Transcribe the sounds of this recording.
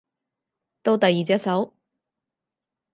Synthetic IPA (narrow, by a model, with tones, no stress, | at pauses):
t̪o˥˧wt̪ɐ˨jːiː˨˩t͡sɛ˥t̚sɐ˨˥w